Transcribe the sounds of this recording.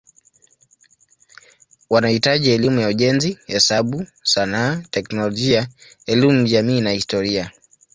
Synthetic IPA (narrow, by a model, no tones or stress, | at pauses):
wanahitaʄiɛlimujauʄɛnzihɛsaɓusanaːtɛknɔlɔʄia | ɛlimuʄamiːnahistɔɾia